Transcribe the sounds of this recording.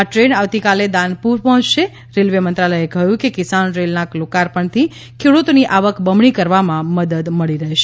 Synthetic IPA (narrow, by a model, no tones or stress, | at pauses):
aʈɾeɳaʋt̪ikaled̪ãnpuɾpɔɦɔ̃t͡ʃʃe | ɾelʋemənt̪ɾaləjekəjũkekɪsanɾelnaklokaɾpəɳt̪ʰi | kʰeɽut̪oniʔaʋəkbəmɳikəɾʋamãməd̪əd̪məɭiɾəɦʃe